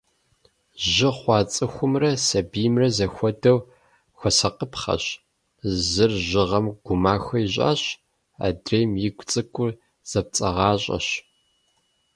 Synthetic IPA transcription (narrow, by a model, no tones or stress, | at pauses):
ʒɪχʷɑːt͡sʼɨxʷʊmrɐsɐbijmrɐzɐxʷɔdɐw | xʷɔsɐqəpχɐ̰ɕ | zɨrʑɪʁɐmɡ̥ʷʊmaːxʷɐiʑʼa̰ːɕ | a̰ːdreːmjɪɡʷt͡sʼɨkʷʼʊr | z̥ɐp̚t͡sʼɐʁɑːɕʼɐ̰ɕ